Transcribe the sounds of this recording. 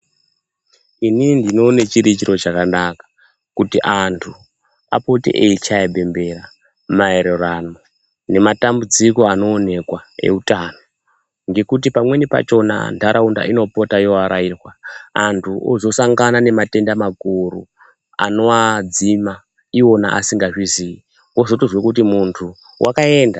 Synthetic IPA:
inindino̞ne̞t͡ʃiɾit͡ʃiɾo̞t͡ʃakanakḁ | kutiʔantʰu | a̰po̞tḭʔeit͡ʃaebʱe̞mbe̞ɾa | mae̞ɾe̞rano̞ | ne̞matambud͡ziko̞ano̞ːne̞kwae̞̰utano | ŋɡe̞kut̬ipamwe̞nipa̰t͡ʃo̞na̰ndʰʱaɾʔaunda̰ino̞po̞tajoaɾairwaantʰuozo̞saŋɡanane̞mate̞ndamakuɾṵ | a̰no̞wad͡zima | iwo̞na̰ʔa̰siŋɡaʐizii | woʐotoʐwekutimuntʰu | wʔakae̞nda

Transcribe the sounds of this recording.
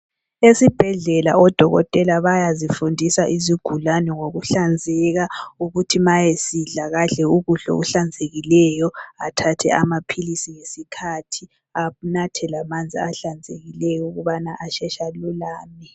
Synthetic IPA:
esib̥ʱɛɮɛlaɔd̥ʱɔɣɔ̰tʼɛlaβajazifundʱisaʔiziɡ̥ʱulanɛŋoɣuɬand͡zʱɛɣauɣutʰimajesiɮaɣaɮɛuɣuɬɔ̰uɬand͡zʱeɣilɛjɔatʰatʰɛ̰amapʰilisiŋesikʰatʰi | anatʰɛlamand͡zʱiaɬand͡zʱeɣilɛjɔuɣuβanaʔaʃɛʃalulaːmi

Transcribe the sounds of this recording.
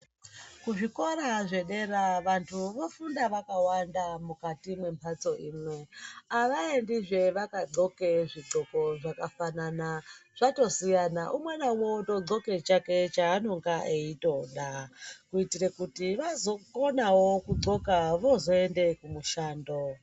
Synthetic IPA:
kuʐiko̞ɾaʐe̞ɗe̞ɾaʋantʰuʋo̞fundaʋakawandamukatimwe̞mpʰat͡so̞ʔiːmwe̞aʋaendiʐe̞ʋakaɡ͡ǀo̞keʐiǀoko̞ʐakafananaʐ̥ato̞sijanaʔumwenauwoto̞ɡ͡ǀo̞ke̞t͡ʃake̞t͡ʃaːno̞ŋɡaʔeito̞ɗakuitirekutiʋazo̞ko̞nawokuǃo̞kaʋo̞zo̞ende̞kumuʃaːndo

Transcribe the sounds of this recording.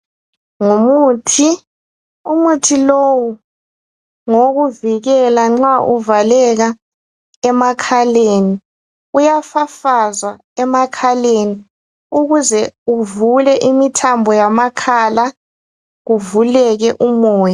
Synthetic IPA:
ŋumuːtʰi | umutʰilowu | ŋoɣuviɣɛlaŋ͡ǁaʔuvalɛɣa | ɛmakʰaleni | ujafafazwa | ɛmakʰaleni | uɣuzɛuvulɛʔimitʰambʱɔjamakʰala | ɣuvulɛɣɛʔumɔːja

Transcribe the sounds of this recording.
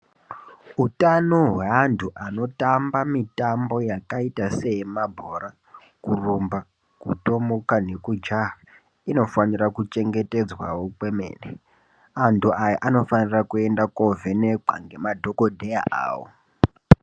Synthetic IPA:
utanoɦweantʰuʔano̞tambamitambo̞jakaitase̞mabʱo̞ra | kurumba | kuto̞mokane̞kud͡ʒa | ino̞fanirakut͡ʃe̞ŋɡe̞te̞d͡zwawokwemḛːne | antʰuʔajaʔano̞fanirakue̞ndakovenek͡pa̰ŋɡe̞madʱo̞kodʱeja̰ʔa̰ːwo̰

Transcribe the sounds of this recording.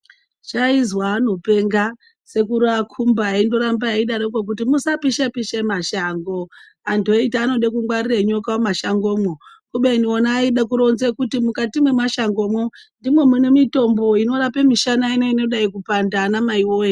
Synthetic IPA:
t͡ʃaizwaːno̞pe̞ŋɡa | se̞kuɾakʰumbaaindo̞ɾambaaiɗanokwok̬utimusapiʃapiʃemaʃaŋɡo̞ | antuoitaːno̞ɗekuŋɡwarireɲo̞kawomaʃaŋɡo̞ːmwo | kuɓeinionaːiɗakuɾo̞nzekutimukatimwe̞maʃaŋɡomwondimwe̞munemito̞mbo̞ino̞ɾapemiʃanaineino̞ɗaikupandanamaiwoe

